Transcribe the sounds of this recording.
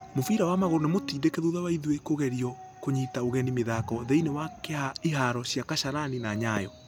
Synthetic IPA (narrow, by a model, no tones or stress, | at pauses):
mofiɾawamaɣoɾɔnemotiːdekɛðuðawaiðwekoɣɛɾiɔ | koɲitaoɣɛnimeðakɔðeinewakeaiɦaɾɔɕjakaʃaɾaninaɲajɔ